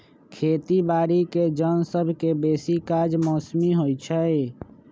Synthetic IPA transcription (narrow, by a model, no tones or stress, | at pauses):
kʰeːt̪ibaːɾiked͡ʒənsəbʱkebeːsikad͡ʒmɔːsmiɦojt͡ʃʰɛe